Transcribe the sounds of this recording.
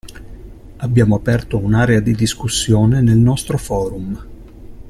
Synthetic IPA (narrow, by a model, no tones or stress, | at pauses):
abːjaːmoapɛrt̪ounaːɾead̪id̪iskusːjoːnenelnɔst̪ɾofɔːɾum